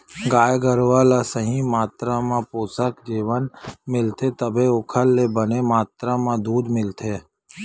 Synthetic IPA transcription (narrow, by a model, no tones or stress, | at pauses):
ɡaːjɡəɾʋalasəɦĩmaːt̪ɾamãpoːsəkd͡ʒiːʋənmɪlt̪ʰet̪əbʱeʊkʰəlːebənemaːt̪ɾamãd̪uːd̪mɪlt̪ʰeː